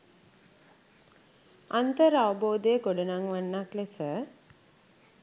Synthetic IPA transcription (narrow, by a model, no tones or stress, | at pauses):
ant̪əɾəaʋəboːd̪əjəɡoɖənaŋʋanːaklesə